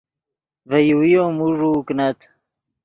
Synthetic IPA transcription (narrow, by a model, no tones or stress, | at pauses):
vəjuwijomuʐuknat̪